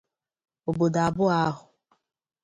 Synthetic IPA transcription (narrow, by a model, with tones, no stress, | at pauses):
o˨bo˨da˨bʊ˦a˦ɦʊ˨